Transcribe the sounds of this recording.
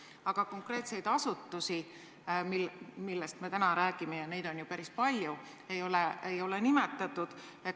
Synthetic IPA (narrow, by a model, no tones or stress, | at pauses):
ɑɡ̥ɑko̞ŋkˑre̞ːt̪se̞jd̪̥ɑsut̪ːusi | milmilːest̪me̞t̪ænɑɾæːɡ̥ime̞jɑne̞jd̪̥o̞njupæɾispɑlʲju | e̞jo̞leejo̞lenime̞t̪ːˑɑt̪ːˑud̪̥ | e